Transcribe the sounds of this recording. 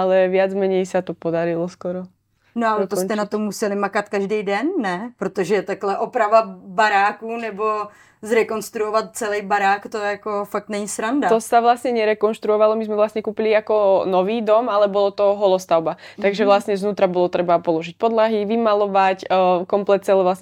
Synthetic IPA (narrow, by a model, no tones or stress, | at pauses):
alɛʋɪad͡zmɛɲɛjsat̪ɔpɔd̪aɾilɔskɔɾɔ | noalɛt̪ost̪ɛnat̪omːusɛlɪmakat̪kaʒdɛjdɛnːɛpɾot̪oʒɛt̪aklɛʔopɾavabaɾaːkunɛbo | zɾɛkonst̪ɾuɔvat̪̚t͡sɛlɛjbaɾaːkt̪oɛjakofak̚t̪nɛɲisɾandat̪ɔsaʋlasɲɛɲɛɾɛkɔnʃt̪ɾuɔʋalɔmizmɛʋlasɲɛkuːpiliakɔnɔʋiːd̪ɔmalɛbɔlɔt̪ɔɦɔlɔst̪aʊbat̪aɡʒɛʋlasɲɛzʋnuːt̪ɾabɔlɔt̪ɾɛbapɔlɔʒic̚pɔd̪laɦiʋimalɔʋacːkɔmplɛt̪̚t͡sɛlɛʋlasɲɛ